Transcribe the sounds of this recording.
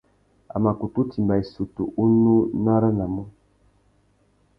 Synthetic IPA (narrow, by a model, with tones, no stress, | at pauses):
a̰˨ma˨ku˨tu˦ti˨mba˨e˨su˨tṵ˨ʔu˦nu˦na˦ɾa˦na˨mɔ˦